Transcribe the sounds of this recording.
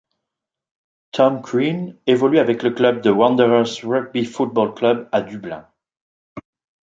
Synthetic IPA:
t̪ʰɔmkwinevɔlyavɛkləklœb̚d̪əwɑ̃nd̪əʁəsʁœɡ̚bifut̪̚bɔlklœbad̪yblɛ̰̃

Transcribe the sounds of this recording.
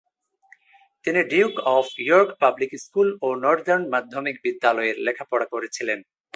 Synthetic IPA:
t̪iniɖiwkɔfʰjoɾkpablikskulonɔɾd̪eɾnmad̪ʱːomik̚bid̪ːalɔeɾlekʰapɔɽakoɾet͡ɕʰilen

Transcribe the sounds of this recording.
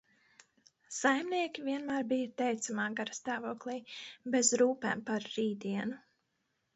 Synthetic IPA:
sajmniɛkʲiviɛnmæːɾbijɐt̪ɛjt̪samaːɡaɾst̪aːvoɔklˠiːbɛzɾuːpɛ̰ːmpaɾːiːd̪iɛnu

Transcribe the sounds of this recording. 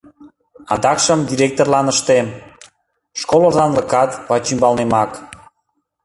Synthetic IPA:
ɑ̰d̪ɑkʃəmd̪ʲiɾʲek̚t̪orlɑnəʃt̪em | ʃkolozɑnləkɑt̪βɑt͡ɕymbɑlnemɑk

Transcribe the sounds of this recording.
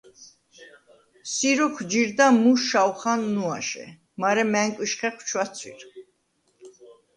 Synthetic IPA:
siɾɔkʰwd͡ʒiɾd̪amuʃawχanːuaʃɛ̰ | maɾɛmɛŋkʼwiʃχɛχwt͡ʃʰwat̪sʰwḭɾ

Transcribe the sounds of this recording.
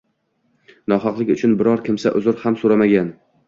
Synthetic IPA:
nɒɦɑqlˠɪkʲʊt͡ʃʰʊnbɪɾɒɾkʲʰɪmsaʔʊ̰zʊɾhamsoɾamaɡʲan

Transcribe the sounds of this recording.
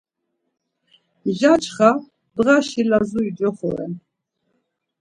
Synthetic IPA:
ʒat͡ʃʰʼχa | d̪ʁaʃilazuidd͡ʒɔχɔ̰ɾɛ̰n

